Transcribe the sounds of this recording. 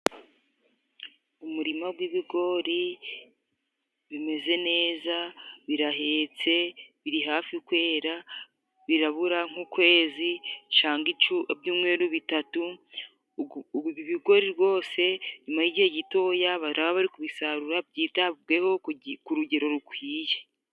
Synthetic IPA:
umuɾimaɡwiβiɡo̞ɾi | βime̞ze̞ne̞ːzaβiɾaɦe̞ːt͡se̞βiɾiɦaːfiukwe̞ːɾa | βiɾaβuɾaŋ̥ukwe̞ːzit͡ʃaːŋɡit͡ʃuebjuːmŋwe̞ːɾuβitatu | iβiβiɡo̞ɾiɾɡo̞ːse̞ɲumahiɟihe̞ɟito̞ːjaβaɾaβaβaɾikuβisaɾuɾabɟiːtaɡehokuɾuɟe̞ɾo̞ɾukwiːje̞

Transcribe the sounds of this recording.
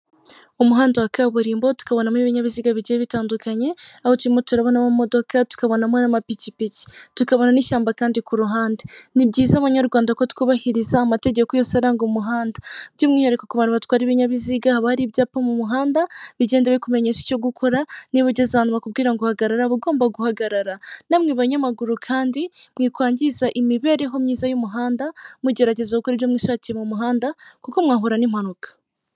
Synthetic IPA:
umuɦaːndawakaβuɾiːmbotu̥kaβo̞namwiβiɲaβiziɡaβiɟieβitaːndukʰaɲe̞ahotwɾimoteɾaβo̞namamo̞do̞katu̥kaβo̞namwonamapicipici̥tukaβo̞naniʃaːmbakaːndikuɾuɦaːndinibɟiːzaːβaɲaɾɡwaːndakotu̥kuβahiɾizaːmate̞ɟekojosehaɾaŋɡomuɦaːndabɟiːmŋiːɲeɾekokuβanuβatkwaːɾiβiɲaβiziɡahaβahaɾibɟaːpamumuɦaːndaβiɟe̞ːndeβeikume̞ɲeːʃi̥co̞ɡukʰo̞ɾaniβaɟezaβaːniβakubɡiːɾaŋɡuhaɡaɾaɾaβuɡo̞ːmbaɡuhaɡaɾaɾanamŋeβaɲamaɡuɾukʰaːndimŋiːkwaːɲɟizaʔimiβe̞ːɾe̞ɦo̞mɲiːzajumuɦaːndamuɟe̞ɾaɟe̞zakokuɾiβjomŋiːʃaːciɾemumuɦaːndakuko̞mŋaːɦuɾanim̥anukḁ

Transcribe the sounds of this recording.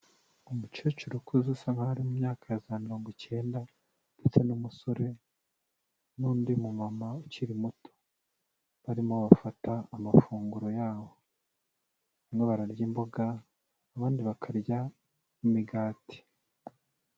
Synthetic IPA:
umut͡ʃut͡ʃuɾukʰuzusamahaɾimumɲaːkaezaamiɾo̞ːŋɡoce̞ːnda | nd̥et͡se̞numusoɾe̞ | nuːndimumamauciɾimutʰo | βaɾimoβafataːmafuːŋɡuɾo̞jaːβo̞ | amŋeβaɾaɾɟimboɡaː | βaːndiβakʰaɾɟa | imiɡaːti̥

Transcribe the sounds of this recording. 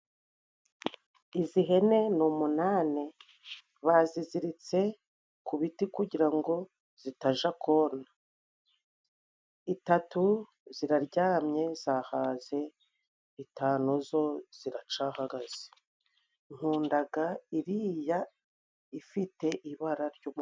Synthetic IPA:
iziɦe̞ne̞numunaːne | βaziziɾit͡se̞ | kuβitikuɟiɾaŋɡo̞ | z̥itaʒakoːna | itatu | ziɾaɾɟaːmɲe̞z̥aːhaːze̞ | itaːnozo̞z̥iɾat͡ʃahaɡaz̥e̥ | ŋ̥huːndaɡaiɾiːja | ifite̞ʔiβaɾaɾɟuːm

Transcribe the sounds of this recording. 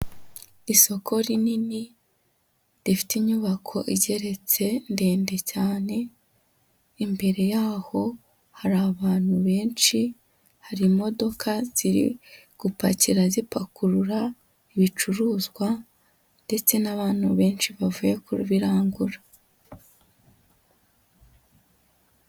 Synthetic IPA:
iso̞kʰo̞ɾinini | ɾifi̥tiɲuβakʰo̞̰ʔiɟe̞ɾe̞t͡se̞nde̞ːnde̞caːne̞ | imbe̞ɾe̞jaːho̞ | haɾaβaːn̥huβe̞ːnʃi | haɾimo̞do̞kʰaz̥iɾḭ | ɡ̥upaciɾazipakuɾuɾa | iβit͡ʃuɾuːzɡwa | nde̞t͡se̞naβaːn̥huβe̞ːnʃiβavuːje̞kuɾṵβiɾaːŋɡuɾa

